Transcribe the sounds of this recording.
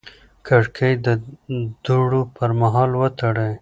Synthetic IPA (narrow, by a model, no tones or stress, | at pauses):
kaɽkʰəjd̪əd̪̥uɽopəɾmaɦɑlwət̪aɽəj